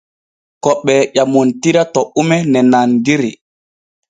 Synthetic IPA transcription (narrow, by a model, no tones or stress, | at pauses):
kɔɓːɛʄamɔntiɾatɔʔumɛnɛnandiɾi